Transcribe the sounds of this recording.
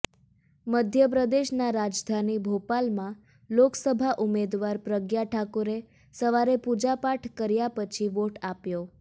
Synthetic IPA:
məd̪ʱjəp̬ɾəd̪eʃnaɾad͡ʒd̪ʱanibʱopalmã | loksəbʱaʔumed̪ʋaɾpɾəɡjaʈʰakoɾe | səʋaɾepud͡ʒapaʈʰkəɾjapət͡ʃʰiʋoʈapjo

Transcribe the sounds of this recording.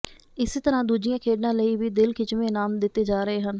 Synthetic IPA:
ɪset̪əɾãːd̪uːd͡ʒɪjãːkʰeːɖnãːləiːʋiːd̪ɪlkʰɪt͡ʃʋẽːnaːmd̪ɪt̪ːeːd͡ʒaːɾəeːɦən

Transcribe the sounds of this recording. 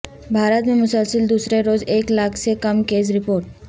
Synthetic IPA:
bʱaːɾət̪mẽmʊsəlsəld̪uːsɾeɾoːzeːklaːkʰsekɐmkeːzɾɪpoːɾʈ

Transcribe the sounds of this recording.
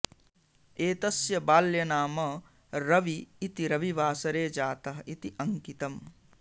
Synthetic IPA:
eːt̪ɐsjɐbaːljɐnaːmɐ | ɾɐʋiːt̪iɾɐʋiʋaːsɐɾeːd͡ʒaːt̪ɐɦɐit̪iʔɐŋkit̪ɐm

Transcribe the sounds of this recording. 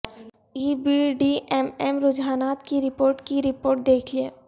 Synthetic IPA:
iːbiɖiɛmɛmɾʊd͡ʒaːnaːt̪kiɾɪpoːɾʈkiɾɪpoːɾʈ̚d̪eːkʰlieː

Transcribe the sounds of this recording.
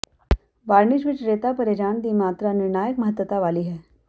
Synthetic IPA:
ʋaɾɳiɕʋiːt͡ɕɾet̪apəɾed͡ʑaɳd̪iːmat̪ɾaniɾɳajəkməɦət̪ːʋət̪aʋaliːɦɛ

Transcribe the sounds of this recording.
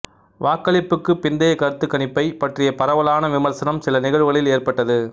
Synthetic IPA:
ʋaːkːɐɭɪpːɯkːɯpːɪnd̪ɐjɐkːɐɾɯt̪ːɯkːɐnɪpːɐɪpɐʈrɪjɐpɐɾɐʋɐlaːnɐʋɪmɐɾsɐnɐmsɪlɐnɪɣɐɻɯɣɐɭɪleːrpɐʈːɐðɯ

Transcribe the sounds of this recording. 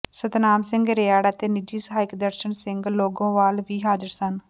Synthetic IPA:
sət̪naːmsɪ̃ŋɡɾɪjaːɽaːt̪eːnɪd͡ʒiːsəɦaːɪkd̪əɾʃəɳsɪ̃ŋɡloːɡõːʋaːlʋiːɦaːd͡ʒəɾsən

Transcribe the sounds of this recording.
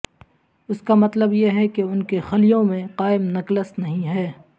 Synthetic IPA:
ʊskamɐt̪ləbjeɦɛkeʊnkexɐlijõmẽqaːɪmnɐkləst̪nɐɦĩɦɛː

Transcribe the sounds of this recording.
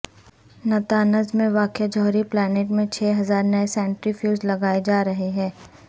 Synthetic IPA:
nɐt̪aːnəzmẽʋaːkjad͡ʒɔːɾiplɛːneːʈmẽt͡ʃʰeːɦɐzaːɾnɐesɛ̃ːɳʈɾifjuːzlɐɡaːed͡ʒaːɾɐɦeɦɛ̃ː

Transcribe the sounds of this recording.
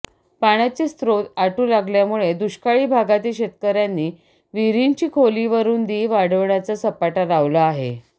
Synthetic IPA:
paɽ̃at͡ɕest̪ɾot̪aʈuːlaɡljamuɭed̪uɕkaɭiːbʱaɡat̪iɕet̪kəɾjanːiː | ʋiɾiɲt͡ɕiːkʰoliːʋəɾuːnd̪iːʋaɽəʋɳjat͡sasəpaʈaɾaʋlaːɦḛ

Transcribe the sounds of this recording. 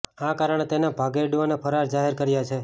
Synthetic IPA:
akaɾəɳ̃et̪enabʱaɡeɖʋonepʰəɾaɾd͡ʒaɦeɾkəɾjat͡ʃʰe

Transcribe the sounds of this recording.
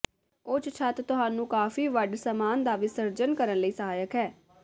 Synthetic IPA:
ʊt͡ʃt͡ʃʰət̪t̪ʊɦaːnũːkaːfiːʋəɖsəmaːnd̪aːʋiːsəɾd͡ʒənkəɾənləiːsəɦaːjəkɦɛː

